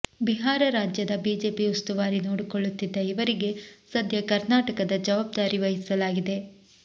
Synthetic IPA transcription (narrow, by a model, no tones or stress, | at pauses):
biɦaːɾɐɾaːd͡ʒjɐd̪ɐbiːd͡ʒe̞ːpiust̪uʋaːɾinoːɽikoɭːut̪ːid̪ːɐiʋɐɾiɡe̞sɐd̪ʱjɐkɐɾnaːʈɐkɐd̪ɐd͡ʒɐʋaːb̚d̪aːɾiʋɐɦisɐlaːɡid̪e̞